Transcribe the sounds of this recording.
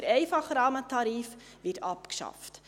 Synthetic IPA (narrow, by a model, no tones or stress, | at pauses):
ɾɛjfɑχɾɑːmətɑɾiːfvitɑpkʃɑ̰ft